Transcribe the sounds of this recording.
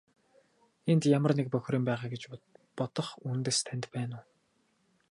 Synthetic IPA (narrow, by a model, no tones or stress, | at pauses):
ent̪jamə̆rnek̚pœxʲɾiːmpæːʁaːɡet͡ɕpɔt̪ɞ̆χunt̪eːst̪ʰænʲt̪pæːnʊː